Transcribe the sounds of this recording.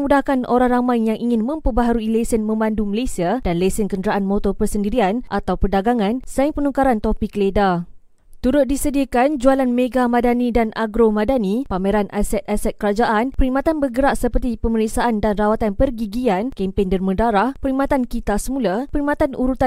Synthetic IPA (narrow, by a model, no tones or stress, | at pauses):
mudahkanʔoɾaŋramãjjaŋʔiŋɪnmə̃mpəbaɦaɾuilesənmə̃manduməlasiad̥anlesənkəndəɾaʔanmot̪ɔrpərsəndiɾianʔa̰t̪awpərdaɡaŋãnsaiŋpənukaɾant̪opikːəleda | t̪uɾʊt̪̚disədiakand͡ʒualanmeɡamadanidanaɡɾomadanipameɾanʔasɛt̪̚asɛt̪̚kəɾad͡ʒaʔanpəɾimat̪anbərɡəɾaʔsəpərt̪ipəməɾik̚saʔandanrawat̪anpərɡiɡiankɛmpeŋdərmə̃daɾahpəɾimat̪ankit̪asəmũlapəɾimat̪anuɾut̪a